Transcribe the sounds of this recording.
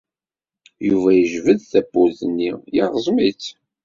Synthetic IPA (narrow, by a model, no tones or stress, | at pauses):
juvæjəʒvəðθæbːuðənːijiʁzˤmit͡s